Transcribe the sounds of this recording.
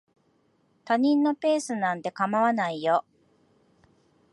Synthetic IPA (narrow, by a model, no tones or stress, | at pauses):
t̪aɲ̟ĩnːo̞pe̞ːsɨnãnt̪e̞kamaβanaijo